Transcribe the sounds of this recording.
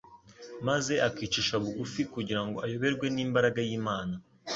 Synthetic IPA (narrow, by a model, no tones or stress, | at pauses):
maze̞ʔakiːt͡ʃiʃaβuɡufikuɟiɾaŋɡo̞ʔajo̞βe̞ɾɡwe̞niːmbaɾaɡajiːmaːna